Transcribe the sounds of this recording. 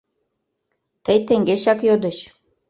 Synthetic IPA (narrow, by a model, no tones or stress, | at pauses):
t̪əjt̪ĕŋɡeɕɑkjod̪ə̆ɕ